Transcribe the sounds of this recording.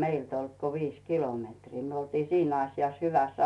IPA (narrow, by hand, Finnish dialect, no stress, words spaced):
meilt olt ko ʋiːs kilometriː myø oltiː siːn ɑsjɑs hyʋæsː